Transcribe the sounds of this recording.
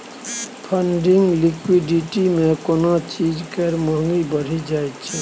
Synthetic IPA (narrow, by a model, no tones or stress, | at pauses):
pʰəɳɖiŋɡlikwiɖiʈimẽkonot͡ʃid͡ʒkəɾməŋɡibəɾ̤id͡ʒajt͡ʃʰɛ